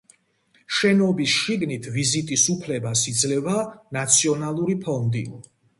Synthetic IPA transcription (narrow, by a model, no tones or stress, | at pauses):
ʃɛnɔbisʃiɡnit̪ʰvizit̪ʼisupʰlɛbasid̪zlɛvanat̪sʰiɔnalˠuɾipʰɔnd̪ḭ